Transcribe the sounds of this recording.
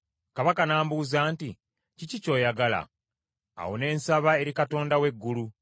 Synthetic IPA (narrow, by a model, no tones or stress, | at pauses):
kaβakanaːmbuzaːnti | cicico̞ːjaɡala̰ː | wone̞ːnsaβae̞ɾikato̞ːndawe̞ɡːulu